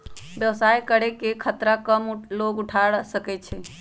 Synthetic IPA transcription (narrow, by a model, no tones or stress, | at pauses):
bjəwsajkəɽekekʰət̪ɾakəmloɡuʈʰaɽsəkɛt͡ʃʰɛ